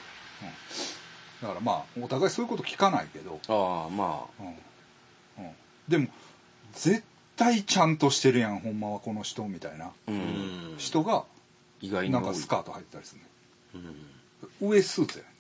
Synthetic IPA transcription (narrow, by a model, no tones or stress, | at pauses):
ɯ̃ɴ | d̪akaɾama̰ːo̞t̪aɡaisoːi̟ko̞t̪okʲi̥kana̰ike̞d̪o̞ama̰ɯ̃ːɴ | ɯ̃ɴ | d̪e̞mo̞ | d͡ze̞t̪ːait͡ɕãnt̪o̞ɕi̥t̪e̞ɾɯ̟jãŋhɦõ̞mːaβako̞no̞ɕi̥t̪o̞mʲit̪aina | ɕi̥t̪o̞ɡa | iɡainãŋkasɨ̥kaːt̪o̞hait̪ːe̞t̪aɾʲi̥sɨnːe | ɯ̟e̞sɨːzjan